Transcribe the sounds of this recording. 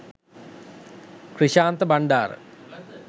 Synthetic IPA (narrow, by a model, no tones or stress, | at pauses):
kriɕaːnt̪əbaɳɖaːɾə̰